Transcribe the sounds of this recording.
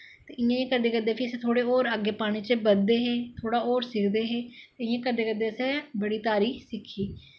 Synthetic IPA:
t̪eːɪjãːiãːkəɾd̪eːkəɾd̪eːpʰiəsẽːt̪ʰoːɽeːoːɾəɡːeːpaːɽ̃iːt͡ʃbəd̪eːɦeːt̪ʰoːɽaːoːɾsɪkʰd̪eːɦeːt̪eːɪjãːkəɾd̪eːkəɾd̪eːəsɛːbəɽiːt̪aːɾiːsɪkʰːiː

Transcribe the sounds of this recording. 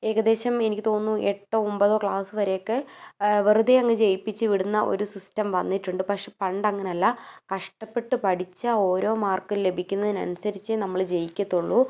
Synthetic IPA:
e̞ːɣɐd̪e̞ːɕɐme̞nikʲːit̪o̞ːnːueʈːoːombɐðo̞ːkɭaːsɨʋɐɾejokːeʋirɨd̪ejɐŋːɐd͡ʑe̞jipːit͡ɕːɨʋiɽunːɐʔo̞̰ɾusistɐmʋɐnːiʈːuɳɖɨpɐkʂe̞pɐɳɖɐŋːɐneɐlːɐkɐʂʈɐpːe̞ʈːɨpɐɽit͡ɕːao̞ːɾo̞ːmaːrkille̞bʱikʲːunːɐðinɐ̰nusɐɾit͡ɕːɨnɐmːɐɭd͡ʑe̞jikʲːɐt̪ːuɭːu

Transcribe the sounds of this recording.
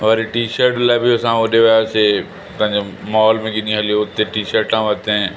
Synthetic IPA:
ʋɐɾeʈiːʃəɾʈlaːɪbiʊsãoɗeʋɐjase | pɐ̃ɦɪ̃ɲd͡ʑemaɔːlmẽɡiɗĩɦɐlijoʊt̪eʈiːʃəɾʈãʋɐt̪ẽ

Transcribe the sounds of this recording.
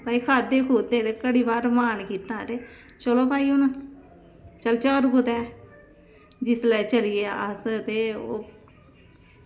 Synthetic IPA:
paːiːkʰaːd̪eːkʰoːt̪ẽːt̪eːkəɽiːbaːɾmaːnkiːt̪ːãːt̪eː | t͡ʃəloːpaːiːʊn | t͡ʃəlt͡ʃaːɾkʰoːt̪ɛː | d͡ʒɪsləːt͡ʃəlieːəst̪eːoː

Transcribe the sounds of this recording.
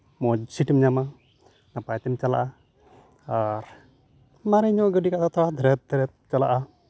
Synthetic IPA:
mɔd͡ʒsiʈimɲama | napajt̪ɛmt͡ʃala̰ʔa | aɾ | maɾɛɲɔɡəɖikaʔd̪at̪ɾad̪ʱɾɛt̪̚d̪ɾɛt̪̚t͡ʃala̰ʔa

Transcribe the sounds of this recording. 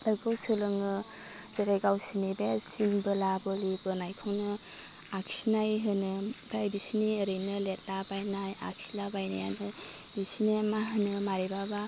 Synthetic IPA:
tɯɾɡɯwsɯlɯŋɯ | z̥eɾeɡawsinibesinbɯlabɯlibɯnajkʰɯwnɯ | ak̚sinajɦɯnɯbɾajbisiniəɾɯjnɯlet̚labajnaja̰k̚silabajnaja̰nɯ | bisinemaɦɯnɯmaɾibaba

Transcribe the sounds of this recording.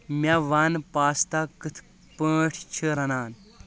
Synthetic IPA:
mʲaʋaːnpaːst̪akɨt̪ʰ | pəːʈʰt͡ʃʰəɾɐnaːn

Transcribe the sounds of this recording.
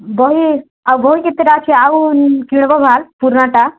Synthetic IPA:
bɔɦi | awbɔɦikit̪ːeɾat͡ʃʰiawkiɽ̃bɔbʱalpuɾnaʈa

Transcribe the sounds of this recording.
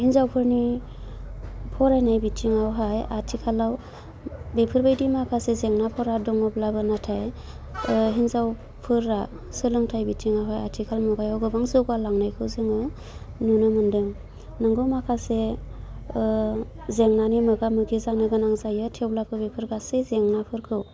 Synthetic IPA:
hinzawpʰɯɾni | pʰɔɾajnajbitʰiŋawɦajatʰikʰalaw | bepʰɯɾbajdimakʰasezeŋnapʰɔɾadɔŋɔblabɯnatʰaj | ɦinzaw | pʰɯɾa | sɯlɯŋtʰajbitʰiŋawɦajatʰikʰalmɔɡajawɡɯbaŋzɯɡalaŋnajkʰɯwzɯŋɯ | nunɯmɯndɯŋ | nɯŋɡɯmakʰase | zeŋnanimɯɡamɯɡizanɯɡɯnaŋzajɯtʰewblapʰɯɾbepʰɯɾɡasezeŋnapʰɯɾkʰɯw

